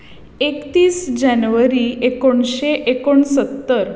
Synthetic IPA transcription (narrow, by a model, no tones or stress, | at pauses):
ekt̪iːsd͡ʑanʋəɾiekoɳɕeʔekoɳsət̪ːəɾ